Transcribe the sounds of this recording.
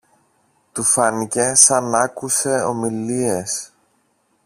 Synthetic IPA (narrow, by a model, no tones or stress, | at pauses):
t̪ufɐnice̞sɐnɐkuse̞o̞̰milie̞s